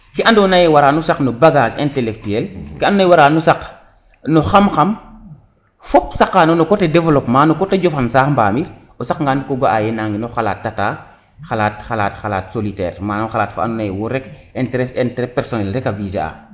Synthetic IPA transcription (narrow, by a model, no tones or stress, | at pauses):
kiandɔnajewaɾaːnusaknɔbaɡaːd͡ʒɛ̃ntɛlɛk̚tuɛlkiandnajwaɾaːnusak | nɔxamxam | fɔp̚sakːanɔnɔkɔtedɛvɛlɔpmaːnɔkɔteɟɔfansaːxmbaːmiɾ | ɔsakŋɡaːnkoɡoʔajɛnaːŋɡinɔxala̰ːtːataː | xalaːtxalaːtxala̰ːtsolitɛ̰ːɾmaːnamxalaːtfa̰ndɔnajɛwɔɾɛk | ɛnteɾɛsɛntɾɛpɛɾsɔnɛlɾɛkavisḛa̰